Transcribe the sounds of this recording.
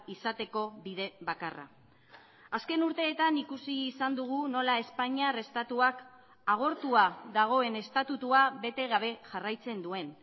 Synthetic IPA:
isat̪e̞ko̞βið̞e̞βakara̰ | aske̞nuɾt̪e̞ːt̪anikusiːsand̪uɣ̞uno̞lae̞spaɲiare̞st̪at̪uak | aɣ̞o̞ɾt̪uaðaɣ̞o̞e̞ne̞st̪at̪ut̪uaβe̞t̪e̞ɣ̞aβ̞e̞ʝarajt͡se̞nd̪ue̞n

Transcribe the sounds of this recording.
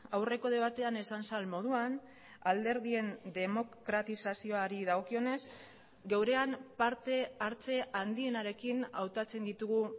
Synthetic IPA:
awre̞ko̞ð̞e̞β̞at̪e̞ane̞sansalmo̞ð̞uan | ald̪e̞ɾðie̞nd̪e̞mo̞kkɾat̪isasio̞aɾiðaɣo̞kio̞ne̞z | ɡe̞wɾe̞ampaɾt̪e̞aɾt͡se̞and̪ie̞naɾe̞kinawt̪at͡se̞nd̪it̪uɣu

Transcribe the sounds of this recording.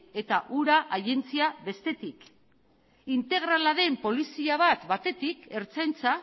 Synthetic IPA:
e̞t̪aʔuɾaʔaje̞nt͡siaβe̞st̪e̞t̪ik | int̪e̞ɣ̞ɾalaðe̞mpo̞lisiaβ̞at̪bat̪e̞t̪ike̞ɾt͡sajnt͡sa

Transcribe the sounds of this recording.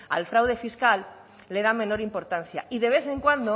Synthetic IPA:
a̰lfɾawð̞e̞fiskalː | e̞ð̞ameno̞ɾimpo̞ɾt̪anθja̰iðe̞β̞e̞θe̞ŋkwand̪o

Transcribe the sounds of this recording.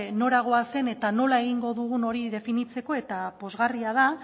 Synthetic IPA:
no̞ɾaɣ̞o̞ase̞ne̞t̪ano̞lae̞ɣ̞iŋɡo̞ðuɣuno̞ɾiðe̞finit͡se̞ko̞e̞t̪apo̞zɣariaða

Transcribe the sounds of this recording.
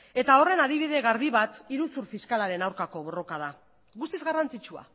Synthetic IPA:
e̞t̪ao̞re̞naðiβ̞iðe̞ɣaɾβiβat̪iɾusuɾfiskalaɾe̞nawɾkako̞β̞o̞ro̞kað̞a | ɣust̪izɣarant͡sit͡ʃua̰

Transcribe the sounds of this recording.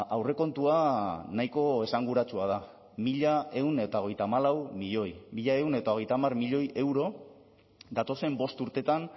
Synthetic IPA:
awre̞ko̞nt̪uanajko̞e̞saŋɡuɾat͡suað̞a | miʎae̞une̞t̪aoɣe̞jt̪amalawmiʎo̞jmiʎae̞une̞t̪aoɣejt̪amarmiʎo̞jʔe̞wɾo̞ | d̪at̪o̞se̞mbo̞st̪uɾt̪e̞t̪an

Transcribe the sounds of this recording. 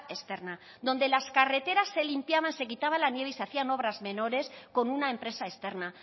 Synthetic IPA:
est̪e̞ɾna | ðo̞nd̪e̞laskare̞t̪e̞ɾasːe̞limpjaβ̞anse̞kit̪aβ̞alanje̞βiseaθiano̞βɾazme̞no̞ɾe̞sko̞nunaempɾe̞saest̪e̞ɾna

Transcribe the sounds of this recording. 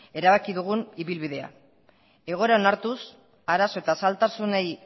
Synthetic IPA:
e̞ɾaβakiðuɣ̞uniβilβiðe̞a̰ | e̞ɣ̞o̞eɾao̞naɾt̪us | aɾaso̞e̞t̪asalt̪asunej

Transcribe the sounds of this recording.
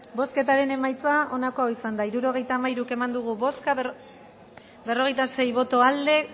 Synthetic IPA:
bo̞ske̞t̪aɾe̞ne̞majt͡sao̞nako̞aoisand̪aiɾuɾo̞ɣ̞e̞jt̪aːmajɾuke̞mand̪uɣuβoska | be̞ro̞ɣ̞e̞jt̪ase̞jβo̞t̪o̞ald̪e̞

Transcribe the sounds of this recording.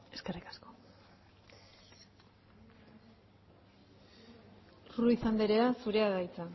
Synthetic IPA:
e̥skerikḁsko | ruisand̪eɾeasuɾe̞aɣajt͡sa

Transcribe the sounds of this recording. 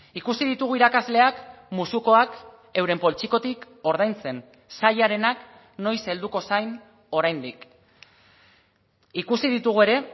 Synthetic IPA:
ikusið̞it̪uɣ̞uiɾakazle̞akmusuko̞ak | e̞wɾe̞mpo̞lt͡ʃiko̞t̪ik | o̞ɾð̞ajnt͡se̞n | saʎaɾe̞nak | no̞jse̞ld̪uko̞sajn | o̞ɾajnd̪ik | ikusiðit̪uɣ̞ue̞ɾe̞

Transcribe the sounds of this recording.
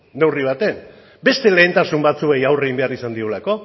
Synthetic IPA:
ne̞wriβ̞at̪e̞n | be̞st̪e̞le̞ːnt̪asumbat͡sue̞jawre̞ɣimbe̞aɾisand̪iulako̞

